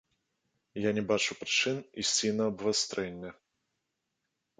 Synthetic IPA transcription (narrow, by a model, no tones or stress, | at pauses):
janʲɛbat͡ʂupɾɨt͡ʂɨnisʲt͡sʲinɐːbvast̪ɾʔɛnʲːɛ